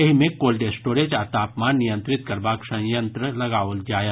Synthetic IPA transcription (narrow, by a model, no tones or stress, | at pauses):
ɐɦimẽkoːlɖesʈoːɾed͡ʒaːt̪aːpmaːnːijə̃nt̪ɾɪt̪kɐɾbaːksɐ̃jə̃nt̪ɾəlɐɡaːold͡ʒaːje